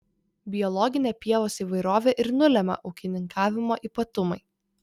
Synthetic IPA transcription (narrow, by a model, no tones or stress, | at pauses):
bʲɪjɔlˠɔɡʲɪnʲeːpʲiɛʋoːsiːˑʋɐɪɾoːʋʲeːʔɪɾnʊlʲɛmʲɐ̰ʔɐʊkʲɪnʲɪŋkʰɑːʋʲɪmoːʔiːˑpɐt̪ʊmɐɪ